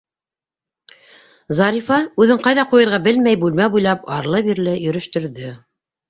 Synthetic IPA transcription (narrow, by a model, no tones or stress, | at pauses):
zɑɾʲifɑʉðɘɴqɑjðɑqujɤ̆ɾʁɑbɘlmæjbʉlmæbujlˠɑpɑɾlˠɤbiɾlɘjɵ̆ɾɘ̆ʃt̪ɵ̆ɾðɵ